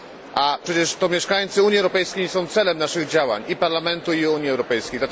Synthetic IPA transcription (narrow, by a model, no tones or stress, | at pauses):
ʔapʂɛt͡ɕɛʂt̪ɔmʲjɛʂkajt̪sɨuɲjiɛwɾɔpɛjskʲejsɔ̃w̃t̪sɛlɛmnaʂɘɣd͡ʑawa̰ɲipaɾlamɛnt̪uiuɲiɛwɾɔpɛjskʲejd̪lat̪